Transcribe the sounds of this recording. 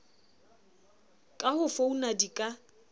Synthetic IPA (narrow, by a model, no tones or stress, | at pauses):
kʼahʊfounadikʼa